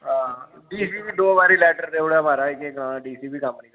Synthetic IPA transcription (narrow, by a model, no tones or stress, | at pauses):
ɦãː | ɖiːsiːʋid̪oːʋaːɾilɛːʈəɾd̪eːʊɽamaɾaːikːekːnãːãɖiːsiːbikɐ̃mpəni